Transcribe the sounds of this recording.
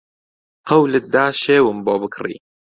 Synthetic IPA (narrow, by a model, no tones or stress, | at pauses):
qɐwlɨt̪̚d̪aːʃeːwɨmboːbɨkʰrḭː